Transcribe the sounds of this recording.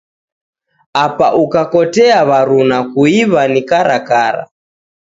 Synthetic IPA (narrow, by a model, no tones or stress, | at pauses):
apaʔukakɔtɛaβaɾunakuiβanikaɾakaɾa̰